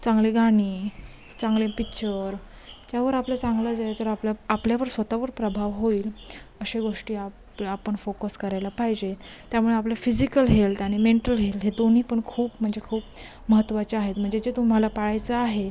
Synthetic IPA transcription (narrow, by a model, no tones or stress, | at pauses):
t͡sãŋɡleɡaɽ̃iː | t͡sãŋɡlepitːɕəɾ | t̪jaʋəɾapljat͡sãŋɡlad͡zajt̪əɾaplaapljaʋəɾsʋət̪aʋəɾpɾəbʱaʋɦoiːləɕeɡoʂʈiːa | apəɳfokəskəɾajlapajd͡ʑet̪jamuɭeaplafid͡ʑikəlɦelt̪aɽ̃imeɳʈəlɦelɦed̪on̤iːpəɳkʰuːpm̤əɳd͡zekʰuːp | məɦət̪ːʋat͡ɕeaɦet̪m̤əɳd͡zed͡ʑet̪um̤alapaɭajt͡saːɦe